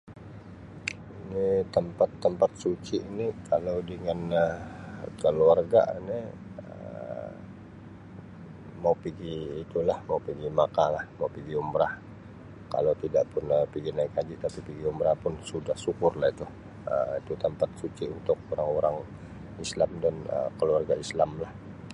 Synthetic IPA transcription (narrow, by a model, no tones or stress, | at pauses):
init̪əmpat̪ːəmpat̪̚sut͡ʃiʔinikʰalawdəŋanə | kəluarɡa̰ʔni | ə̰ | maupiɡiːt̪ulahmaupiɡimakalahmaupiɡiombɾah | ka̰lawt̪idaʔpʊnəpiɡinaikad͡ʒiʔt̪apipiɡiumbɾahpʊnsudahsukʊrlahit̪u | ə̰it̪ut̪əmpat̪̚sut͡ʃiunt̪ʊk̚oɾaŋoɾaŋ | islamdanə̰kəluarɡaislamlah